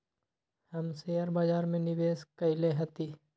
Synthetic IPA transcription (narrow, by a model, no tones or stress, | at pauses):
hɐmseəɾbaːd͡ʒaːɾmẽnɪʋeːskəɪleɦət̪iː